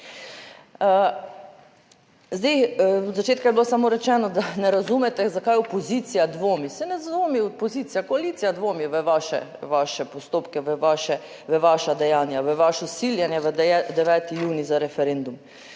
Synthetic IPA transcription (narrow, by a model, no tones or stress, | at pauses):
zd̪ejd̪zat͡ʃeːt̪kajbilosamoːɾɛt͡ʃɛːnɔd̪anɛɾazumɛt̪ɛzakajɔpɔziːt̪sijad̪ʋoːmisɛnɛzoːmiɔpɔziːt̪sijakoalit̪sijad̪ʋoːmiʋəʋaʃɛ̰ʋaʃɛpɔst̪oːpkɛʋəaʃɛ | ʋəʋaːʃad̪ɛjaːnjaʋəʋaʃɔsiljɛnjɛʋəd̪ɛʋɛːt̪ijuːnizaɾɛfɛɾend̪um